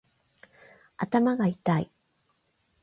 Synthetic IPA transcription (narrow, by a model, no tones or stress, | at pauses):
at̪amaɡait̪aḭ